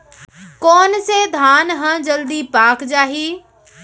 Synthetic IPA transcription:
kɔːnsed̪ʱaːnɦə̃d͡ʒəld̪ipaːkd͡ʒaːɦiː

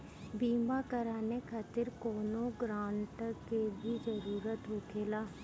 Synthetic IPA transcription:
biːmaːkəɾaːneːkʰaːt̪ɪɾkoːnõːɡɾaːɳʈəkeːbiːd͡ʒəɾuːɾət̪ɦoːkʰeːlaː

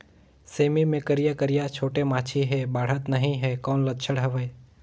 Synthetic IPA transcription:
seːmimẽkəɾijakəɾijat͡ʃʰoːʈemaːt͡ʃʰiɦɛbaːɽ̤ət̪nəɦĩɦɛkɔːnlət̪t͡ʃʰəɽɦəʋə

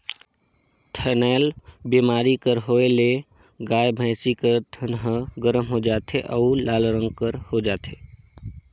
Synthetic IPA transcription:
t̪ʰənɛːlbimaːɾikəɾɦoele | ɡaːjbʱə̃ːsikəɾt̪ʰənɦɡəɾəmɦod͡ʒaːt̪ʰeʔɔʊlaːlɾə̃ŋɡkəɾhod͡ʒaːt̪ʰeː

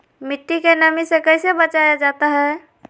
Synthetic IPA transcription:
mɪʈːikenəmisekəɪsebət͡ʃajad͡ʒat̪aɦɛ

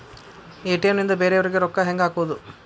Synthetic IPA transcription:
eːʈijɐmnind̪ɐbe̞ːɾeʋɐɾiɡeɾɔkːɐɦeŋɡaːkuʋɐd̪u

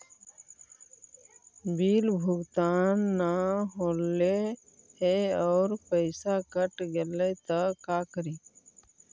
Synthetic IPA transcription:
biːlbʱʊɡt̪aːnːaɦoːle | heɔːɾpəɪsakəʈɡelət̪əkakəɾiː

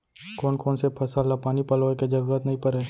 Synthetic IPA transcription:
koːnkoːnsepʰɐsalapaːnipɐloːeked͡ʒɐɾuːɾət̪nɐɦĩpɐɾeː

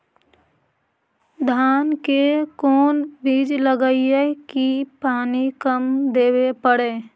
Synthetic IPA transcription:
d̪ʱaːnkekoːnbiːd͡ʒləɡəiekipaːnikəmd̪eːwepəɽeː

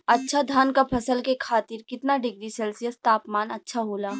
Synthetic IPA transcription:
ɐtːʃʰad̪ʱaːnkapʰɐsəlkekʰaːt̪ɪɾkɪt̪naɖɪɡɾiseːlsijəst̪aːpmaːnɐtːʃʰaɦoːlaː

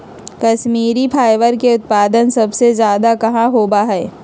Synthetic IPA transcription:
kɐʃmiːɾipʰaːɪʋəɾkeʊt̪̚paːd̪ənsɐbsezjaːd̪akɐɦãɦoːbaɦɛː

